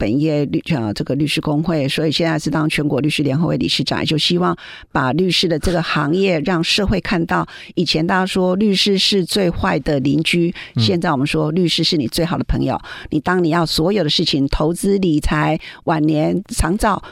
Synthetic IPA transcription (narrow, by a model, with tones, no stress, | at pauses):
pə˨˩njɛ˥˧˥ə˧ʈ͡ʂɤ˥˩ɡə˩ly˥˧ʂɻ̩˥˧kʊ˥ŋxwe˥˩ɪswɔ˧˥i˨˩ɕjɛ˥˧nt͡sa˥˧ɪʂɻ̩˥˧t̪ɑ˥ŋt͡ɕʰɥɛ˧˥nkwɔ˧˥ly˥˩˧ʂɻ̩˥ljɛ˧˥nxɤ˧˥we˥˩ɪli˨˩ʂɻ̩˥˩ʈ͡ʂɑ̰˨˩ŋt͡ɕjo˥˩ʊɕi˥wɑ˥˩ŋ | pa˨˩ly˥˧ʂɻ̩˥˩d̪ə˩ʈ͡ʂɤ˥˩ɡə˩xɑ˧˥ŋjɛ˥˧ɻɑ˥˧˩ŋʂɤ˥˧xwe˥˧ɪkʰa˥˧nt̪ɑ˥˩ʊ | i˨˩t͡ɕʰjɛ˧˥nt̪ɑ˥ʂwɔ˥ly˥˧ʂɻ̩˥˧ʂɻ̩˥˧t͡swe˥˧ɪxwa˥˩ɪd̪ə˨li˧˥nt͡ɕy˥ɕjɛ˥˧nt͡sa˥˩ɪwɔ˨˩mə˦nʂwɔ˥ly˥˧ʂɻ̩˥˧ʂɻ̩˥˩ni˨˩t͡swe˥˩ɪxɑ˨ʊdə˦pʰɤ˧˥ŋjo̰˨˩ʊni˨˩t̪ɑ˥ŋni˨˩jɑ˥˩ʊswɔ˧˥jo˨˩ʊd̪ə˦ʂɻ̩˥˩t͡ɕʰi˨˩ŋt̪ʰo˧˥ʊt͡sɹ̩˥li˨˩t͡sʰa˧˥ɪwa˨˩nnjɛ˧˥nt͡sʰɑ˧˥ŋt͡sɑ˥˩ʊ